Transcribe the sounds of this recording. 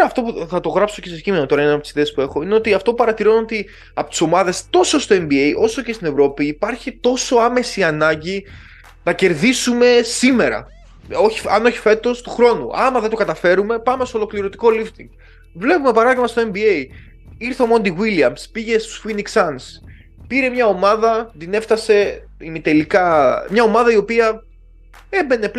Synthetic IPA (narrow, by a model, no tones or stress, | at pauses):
ɐːft̪o̞puθɐt̪o̞ɣɾɐpso̞ce̞secimenot̪o̞ɾɐenɐnɐpot̪isiðeːspue̞xo̞ine̞o̞t̪iɐft̪o̞pupɐɾɐt̪iɾo̞no̞t̪i | ɐpot̪i̥so̞mɐðe̞st̪o̞so̞st̪o̞e̞mbiejʔo̞so̞ce̞st̪ine̞vɾo̞piːpɐɾçit̪o̞so̞ɐme̞siɐnɐɲɟi | nɐce̞ɾðisume̞sime̞ɾɐ̰ | oçiɐ̰no̞çi̥fe̞t̪o̞st̪uxɾo̞nṵʔɐmɐðend̪okɐt̪ɐfe̞ɾume̞pɐme̞st̪o̞lo̞kliɾot̪i̥ko̞lift̪iŋɡ | vle̞pume̞pɐɾɐðiɣmɐst̪o̞e̞mbiej | iɾθomo̞nd̪iwiliɐmspiʝe̞st̪u̥sfiniksɐns | piɾe̞mɲɐo̞mɐðɐd̪ine̞ft̪ɐse̞ | imit̪e̞likɐmɲɐo̞mɐðɐio̞piɐ | e̞be̞ne̞p